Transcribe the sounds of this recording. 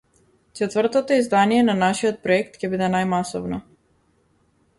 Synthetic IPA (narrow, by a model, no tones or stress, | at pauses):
t͡ʃɛt̪vr̩t̪ɔt̪ɔizd̪anijɛnanaʃijɔt̪̚pɾɔɛkt̪cʲɛbid̪ɛnajmasɔvnɔ